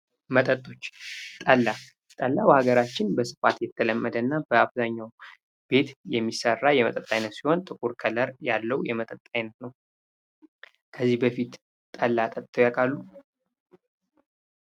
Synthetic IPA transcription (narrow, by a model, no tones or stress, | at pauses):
mət̪ʼət̪ʼo̞t͡ʃːt̪ʼəlːa | t̪ʼəlːawhaɡəɾat͡ʃːɪnbəsɨ̥fa̰t̪jɛt̪ʰːələmːəd̪ənːabəaβzaɲːaw | b̥e̞t̪jɛmːisərːajɛmət̪ʼət̪ʼːajnət̪siho̞nt̪ʼɨkʼuɾkʰələɾjalːəwjɛmət̪ʼət̪ʼːajnət̪nəw | kʰəzːihbəfit̪ | t̪ʼəlːat̪ʼət̪ʼt̪ʰʼːəwjakʼalːu